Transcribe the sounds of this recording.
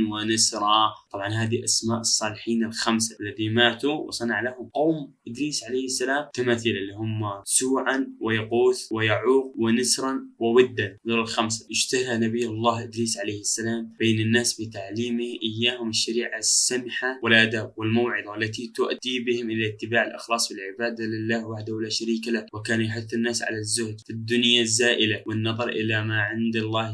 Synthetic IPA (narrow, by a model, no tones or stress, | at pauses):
wɪnasɾˤɑt̪ˤɑbʕɑnɦaːðiʔasmaːʔɨsˤːɑːlɪħiːnɪlxamsaʔalːaðimaːt̪uwʔsˤɑnɑʕlahʊmqoːmʔɪd̪ɾiːsʕalejhasːalaːmt̪amaːθilalːihʊmːasuːʕanwɪjaquːθwɪjaʕuːq̚wɪnɪsɾˤɑnwɪwɪd̪ːanðoːlɪlxamsḁjɪʃt̪ahlanabijːalˤːɑːhʔɪd̪liːsʕaleːhasːalaːmbeːnɪnːaːsbɪt̪aʕliːmɪhʔɪjːaːhʊmɪʃːaɾiːʕasːamħawɪlʔad̪aːbwɪlmawʕɪðˤɑʔlːat̪it̪ʊʔd̪ibɪhɪmʔɪlat̪ːɪbaːʕɪlʔɪ̰xlɑːsˤfɪlʕɪbaːd̪alɪlːaːhwaħd̪ahwɪlaːʃaɾiːkalawɪkaːnjaħʊθːɪnːaːsʕa̰lazːʊhd̪fɪd̪ːʊnjazːaːʔɪlawɪnːɑðˤɑɾˤʔɪlamaʕɪnd̪alˤːɑːh